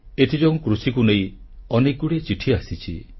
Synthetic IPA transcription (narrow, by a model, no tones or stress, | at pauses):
et̪ʰid͡ʒɔw̃kɾusikunej̃ĩ | ɔnek̚ɡuɽet͡ʃiʈʰiasit͡ʃʰḭ